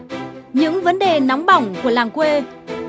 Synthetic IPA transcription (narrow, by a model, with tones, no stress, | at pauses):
ɲɨ̰˧˥ŋvə˨˦nɗe˨˩na˨˦wŋ͡mɓa˧˩wŋ͡mku˧˩əlaː˨˩ŋkwe˧